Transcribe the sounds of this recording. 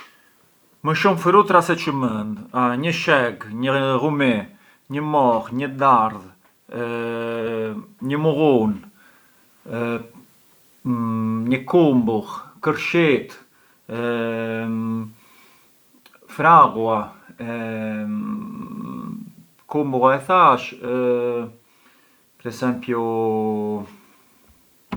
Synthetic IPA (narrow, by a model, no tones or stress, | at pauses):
məʃumfɾut̪ɾasɛt͡ʃəmənd̪ɲəʃɛɡɲəʁumɛ | ɲəmɔʁɲəd̪aɾð | ɲəmuɣun | ɲəkumbuʁkəɾʃit̪ | fɾaɣua | kumbuɣaɛθaʃ | pɾɛsɛmpju